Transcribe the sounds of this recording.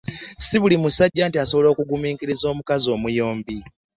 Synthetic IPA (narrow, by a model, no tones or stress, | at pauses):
siβulimusaɟːaːntiasoβo̞lo̞ːkuɡumiːkiɾizo̞ːmukazo̞ːmujo̞ːmbi